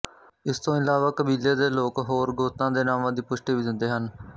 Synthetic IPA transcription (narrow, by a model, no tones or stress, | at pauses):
ɪst̪õːɪlaːʋaːkəbiːleːd̪eːloːkɦoːɾɡoːst̪ãːd̪eːnaːmãːd̪iːpʊʃʈiːʋiːd̪ɪnd̪eːɦən